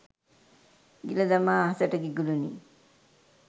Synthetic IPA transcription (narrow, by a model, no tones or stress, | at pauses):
ɡiladamaːɦasaʈaɡiɡulunḭ